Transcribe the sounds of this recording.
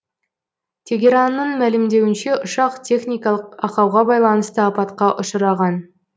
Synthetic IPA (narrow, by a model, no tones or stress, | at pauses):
t̪ʲʰe̞ɡʲeɾanːəɴmælɪmd̪e̞wɪnʃe̞ʔʊʃɑqt̪ʲʰe̞χnʲijkɑlˠəqɑqɑwʁɑbɑjlˠɑnəst̪əɑpɑt̪qɑʔʊʃəɾɑʁɑn